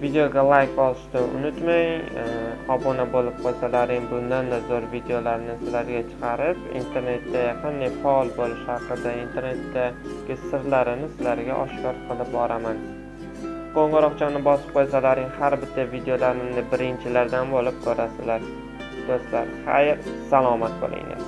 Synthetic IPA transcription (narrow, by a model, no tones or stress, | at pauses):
vid̪eoɡʲalˠajkɒlˠɪʃt̪ɪnʊ̰nʊt̪maŋ | ɒbɒnabolɪp̚qʰojsalaɾɪŋbʊnd̪and̪azoɾvid̪ejolaɾɪnɪsɪlaɾɡʲat͡ʃʰɨ̥qʰɑɾɪpḭnt̪ʰe̞ɾne̞t̪ːajaqʰɨnd̪ajfaɒlˠbolɪʃhɑqɨd̪aint̪ʰe̞ɾne̞t̪ːa | ɡʲɪsɨɾlˠaɾɪnɪsɪlaɾɡʲa̰ʔɒʃkʲɒɾqʰɨlˠɪp̚bɒɾaman | qʰoɴʁɨɾɒqt͡ʃʰamnɪbɒsɪ̥p̚qʰojsalaɾɪŋhaɾbɪt̪ʰːavid̪eolaɾɪmnɪbɪɾɪnt͡ʃʰɪlaɾd̪anbolɪp̚kʰoɾasɪlaɾ | k̪osla̰ɾχa̰jɪɾsalˠɒmat̪̚bo̰lˠʔɪ̰ŋla̰n